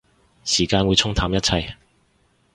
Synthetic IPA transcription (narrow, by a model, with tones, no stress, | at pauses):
siː˨˩kaː˧nwu˨˧t͡sʰʊ˥ŋt̪ʰaː˧mjɐ˥t̚t͡sʰɐ˧j